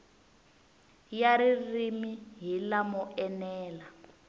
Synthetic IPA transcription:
jaɾirimiɦilamɔɛnɛːla

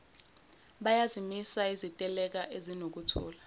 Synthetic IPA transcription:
ɓajazimisaizitʼɛlɛk̬aʔezinok̬utʰɔ̰ːla

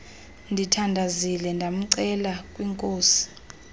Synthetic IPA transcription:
ndʱitʰandʱazilɛndʱam̩ǀɛlakʼwiŋkʼoːsi̥

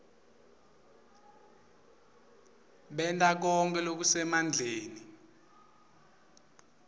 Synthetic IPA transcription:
ɓɛntʼak̬ɔŋk̬ʰʼɛlok̬usɛmand͡ɮʱeːni

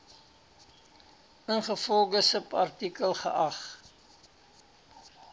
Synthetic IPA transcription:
ʔənχəfɔlɡəsəpɐ̰rtikəlˠχəʔɐχ

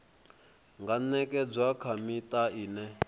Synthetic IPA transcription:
ŋɡanɛkʼɛd͡zwakʰamit̪aiːnɛ

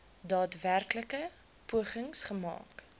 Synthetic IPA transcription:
dɑːtværkləkə | puəχəŋsχəmɑ̰ːk

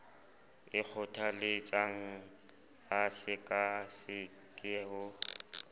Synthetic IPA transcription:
ɪk͡xʰɔtʰalɪt͡sʼaŋ̩ | asɪkʼasɪ | kʼɛɦʊ

